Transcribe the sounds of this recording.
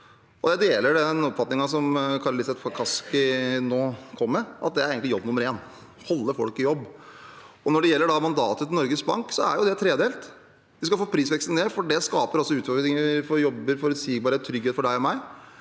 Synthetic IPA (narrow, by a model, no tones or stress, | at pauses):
ɔd̪æd̪eːləɖɛnɔpːfɑt̪nɪŋɑsɔmkʰɑlːəɾɪsbɛt̪pʰɑkʰɑskɪnoːkʰɔmːɛʔɑ̰t̪̚d̪ɛæɾeːɡəŋɪjɔbːnʊməɾeːn | hɔlːəɾfɔ̰lkɪjɔbː | ɔnɔɖɛjɛlːəɖɑmɑnd̪ɑ̰ːt̪ət̪ɪnɔɾɡəsbɑŋksɔæ̰ɾjʊd̪ɛt̪ʰɾeːd̪eːlt̪ | ʋɪskɑfoːpʰɾiːsʋɛksn̩d̪ɛfɔɖɛskɑːpəɾɔsːɔʉːt̪fɔɾɪŋəfɔɾjɔbːəɾfɔɾʉt̪siːɡbɑːɾet̪ʰːɾʏɡheːt̪fɔɖæɪɔmæɪ